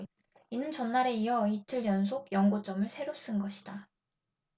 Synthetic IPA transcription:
inɯnt͡ɕʌnːaɾe̞ijʌitʰɯɭjʌnsʰoɡjʌŋɡot͡ɕ͈ʌmɯɭsʰe̞ɾos͈ɯnɡʌɕʰi̥d̥a

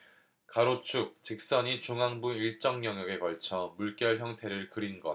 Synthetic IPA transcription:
kaɾot͡ɕʰuk̚t͡ɕik̚s͈ʌɲit͡ɕoŋɦaŋbuiɭt͡ɕ͈ʌŋɲʌŋjʌɡe̞kʌɭt͡ɕʰʌmuɭk͈jʌɭçjʌŋtʰe̞ɾɯɭkɯɾinɡʌ

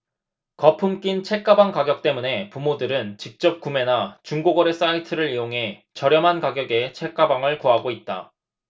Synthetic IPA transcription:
kʌpʰɯmk͈int͡ɕʰe̞k̚k͈abaŋkaɡjʌk̚t͈e̞mune̞pumodɯɾɯnt͡ɕik̚t͡ɕ͈ʌp̚k͈ume̞nat͡ɕuŋɡoɡʌɾe̞s͈aitʰɯɾɯɾijoŋɦe̞t͡ɕʌɾjʌmɦankaɡjʌɡe̞t͡ɕʰe̞k͈̚abaŋɯɭkoɦaɡoit̚t͈a̰

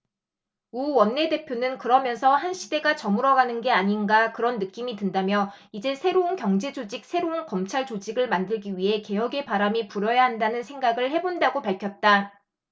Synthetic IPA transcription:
uwʌnːe̞de̞pʰjonɯnkɯɾʌmjʌnsʰʌhanɕʰide̞ɡat͡ɕʌmuɾʌɡanɯnɡe̞aɲinɡakɯɾʌnːɯk͈imidɯndamjʌ | id͡ʑe̞sʰe̞ɾounkjʌŋd͡ʑe̞d͡ʑod͡ʑik̚sʰe̞ɾounkʌmt͡ɕʰaɭt͡ɕod͡ʑiɡɯɭmandɯɭɡiɥiɦe̞ke̞jʌɡe̞paɾamipuɾjʌjaɦandanɯnsʰeŋɡaɡɯɭhe̞bondaɡopaɭkʰjʌt̚t͈a

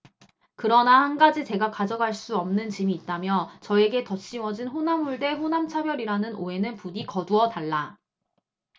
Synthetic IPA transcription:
kɯɾʌnahanɡad͡ʑit͡ɕe̞ɡakad͡ʑʌɡaɭs͈uʌmnɯnt͡ɕimiːt̚t͈amjʌt͡ɕʌe̞ɡe̞tʌɕ͈iwʌd͡ʑinɸonamuɭde̞ɸonamt͡ɕʰabjʌɾiɾanɯnʔoe̞nɯnpudikʌduʌtaɭːa

